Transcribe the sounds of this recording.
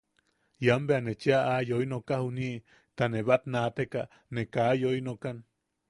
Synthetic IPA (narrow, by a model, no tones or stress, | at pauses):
jambeanet͡ʃiaajoinokahuni | t̪aneβat̪nat̪eka | nekajojnokan